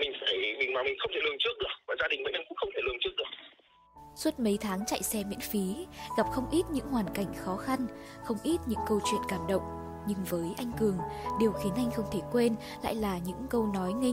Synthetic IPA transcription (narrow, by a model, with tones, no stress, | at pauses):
mï˨˩ŋ̟faː˧˩jmi˨˩ŋmaː˨˩mi˨˩ŋ̟xə˧wt̪ʰe˧˩lɨ˧əŋt͡ɕɨ˦˥ək̚ɗɨ˨˩ək̚vaː˨˩zaː˧ɗi˨˩ŋ̟mə̰˧˥˦ʔɛ˧mkʊ̰˧˥ŋ͡mxə˧ŋ͡mt̪ʰe˧˩lɨ˧˩əŋt͡ɕɨ˦˥ək̚ɗɨ˨˩ək̚ | swə˦˥t̚mə˨˦jt̪ʰaː˨˦ŋt͡ɕa̰˧˨jsɛ˧mḭ˧˥nfi˨˦ɣa˨˩p̚xə˧wŋ͡mʔi˦˥t̚ɲɨ̰˧˥ŋɦwaː˨˩nka˧˩jŋ̟xɔ˨˦xa˧nxə˧wŋ͡mʔi˦˥t̚ɲɨ̰˧˥ŋkə˧wt͡ɕwḭ˧˨ənkaː˧˩mɗə̰˧˨wŋ͡m | ɲɨ˧ŋvəː˨˦jʔa˧jŋ̟kɨ˨˩əŋɗi˨˩əwxi˨˦ənʔa˧jŋ̟xə˧wŋ͡mt̪ʰe˧˩kwe˧n | la̰ː˧˨jlaː˨˩ɲɨ̰˧˥ŋkə˧wnɔ˨˦jŋi˧